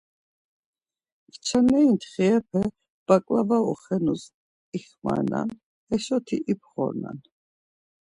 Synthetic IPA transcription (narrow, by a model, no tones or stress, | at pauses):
kt͡ʃʰanɛint̪ʰχiɛpʰɛ | b̥akʼlavaɔχɛnus | iχma̰ɾna̰n | ɛʃɔt̪ʰiʔipʰχɔ̰ɾna̰n